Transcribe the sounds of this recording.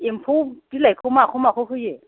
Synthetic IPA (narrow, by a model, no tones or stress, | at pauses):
ɪm̩pʰʊtilaɪkʰʊmaχʊmaχʊχʊje